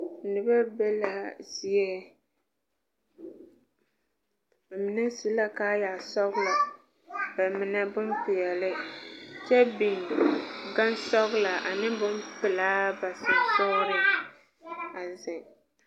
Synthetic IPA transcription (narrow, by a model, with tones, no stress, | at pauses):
nɨ˨ba˦bɛ˦la˨zi˦ɛ˦˨ | m˨˦nɨ˦ŋsi˦la˦kaː˦ja˨sɔ˦ɣla˨ | ba˨mɪ˨nɛ˦bʊ˦mpɪ˨jɛ˨lɪ˦t͡ʃɛ˦bi˨n˨dɡa˦nsɔ˦ɣla˨ʔa˨nɨ˦bʊ˦mpɪ˨laː˦ba˨sɨ˨nsʊ˦ɾɪ˦ | a˨zɪ˨ŋ